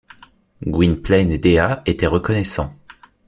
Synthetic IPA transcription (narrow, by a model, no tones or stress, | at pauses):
ɡwinplɛned̪eaet̪ɛʁəkɔnɛsɑ̃